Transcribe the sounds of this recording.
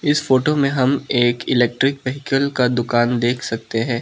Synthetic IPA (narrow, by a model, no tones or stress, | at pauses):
ɪsfoːʈomẽɦɐmeːkɪlɛːk̚ʈɾɪkʋɛɦɪkəlkad̪ʊkaːnd̪eːkʰsɐk̚t̪eɦɛ̃ː